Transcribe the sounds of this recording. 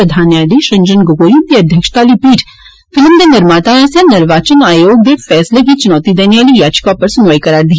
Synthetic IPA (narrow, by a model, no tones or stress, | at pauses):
əd̪ʱaːnjaːd̪iʃɐ̃nd͡ʒənɡoɡoːjunt̪iɐd̪ʱjəkʃt̪aːlipiːʈʰ | fɪlmd̪enɪɾmaːt̪aaːsjanɪɾʋaːt͡ʃənaːjoːɡ̚d̪eɾfɛːsleɦit͡ʃʊnɔːt̪id̪eːnijaːlijaːd͡ʒkapɐɾsʊnʋaːjkɐɾaːɾd̪i